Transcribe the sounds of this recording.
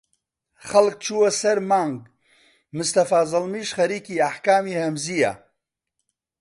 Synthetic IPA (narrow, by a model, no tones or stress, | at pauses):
χɐlk̚t͡ʃʰuwɐsɐɾmaːŋɡ | mʊst̪ɐfaːzɨlmiːʃχɐɾiːkiːaħkaːmiːhɐmzija̰